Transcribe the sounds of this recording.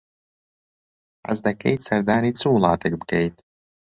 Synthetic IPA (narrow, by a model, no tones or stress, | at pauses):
a̰zd̪akɛjt̪saɾd̪aːɾit̪suːlˠaːt̪ɛɡbkɛjt̪